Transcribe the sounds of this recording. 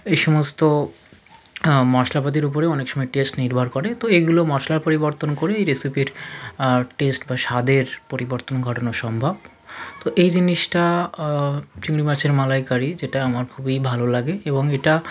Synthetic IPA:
ejʃɔmost̪o | mɔʃlapat̪̬iɾup̬oɾeɔnekʃɔmɔeʈesʈniɾbʱaɾkoɾet̪oeɡulomɔʃlaɾpoɾiboɾt̪onkoɾeejɾesipiɾ | ʈesʈbaʃad̪eɾpoɾiboɾt̪onɡʱɔʈonoʃɔmbʱab̚ | t̪oʔejd͡ʑinːiʃʈa | t͡ɕiŋɾimaɾt͡ɕeɾmalajkaɾid͡ʑeʈaamaɾkʰubibʱalolaɡeeboŋeʈa

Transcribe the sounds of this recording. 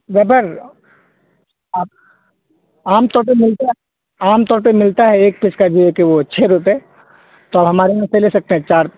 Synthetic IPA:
ʋɛpəɾ | aːp̚ | aːmt̪ɔːɾpemɪlt̪aɛ | aːmt̪ɔːɾpemɪlt̪aɦɛeːk̚pɪskad͡ʒoɛkeʋot͡ʃʰeɾʊpe | t̪oaːbɦɐmaːɾeãselesɐk̚t̪eɦɛ̃t͡ʃaːɾ

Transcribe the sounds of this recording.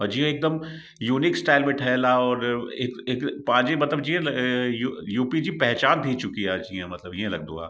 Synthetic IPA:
ɦod͡ʒiːɦɛ̃eːk̚d̪əm | juːnɪksʈaːɪlmẽʈʰɛːlaɔːɾekekpãːd͡ʒemɐt̪ləbd͡ʒiɦẽjujuːpid͡ʒipɛɦt͡ʃaːnd̪ʱit͡ʃʊkiaːd͡ʒiːɦɛ̃mɐt̪ləbjẽlɐɡ̚d̪ṵ̃ɡa̰ː

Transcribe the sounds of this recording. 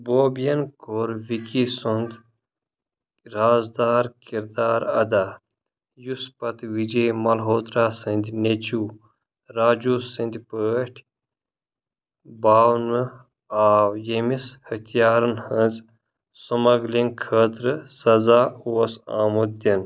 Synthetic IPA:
boːbjɐnkoɾʋikisund̪ | ɾaːzd̪aːɾkiɾd̪aːɾɐ̰d̪aː | juspɐt̪ʋid͡ʒeːmɐlɦoːt̪ɾaːsɨ̃nd̪ʲnet͡ʃuː | ɾaːd͡ʒuːsɨ̃nd̪ʲpəːʈʰ | baːwnɨ | aːwjemishɐt̪ʰijaːɾɨnhə̃nz | sumɐɡliŋkʰəːt̪ɾɨsɐzaːuːɐsa̰ːmud̪̚d̪ʲin

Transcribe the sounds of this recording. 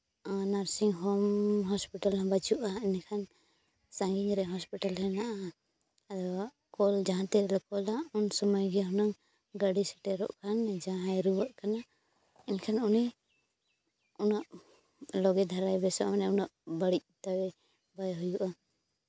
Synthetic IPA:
anaɾsiŋɦɔmɦɔspiʈalãbat͡ʃuʔainkʰan | sãŋɡiɲɾɛɦɔspiʈalɾɛnaʔa | d̪ɔ | kɔld͡ʒaɦãt̪ɛɾɛlɛkɔlaunsɔmɔjɡɛɦɔnaŋ | ɡaɽisɛ̥ʈɛɾɔ̰ʔkʰand͡ʒãɦajɾubaʔkana | ɛnkʰanuni | unaʔ | lɔɡɛd̪ʱaɾajbɛsɔʔmanɛunaʔbaɽic̚t̪awɛ | bajɦujuʔa

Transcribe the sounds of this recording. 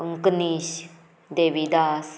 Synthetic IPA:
əŋkniɕ | d̪eːʋid̪as

